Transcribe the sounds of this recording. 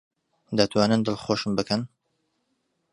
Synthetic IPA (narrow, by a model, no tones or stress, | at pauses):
d̪ɐt̪ʰwaːnɨnd̪ɨlˠχoʃɨmbɨkʰɐn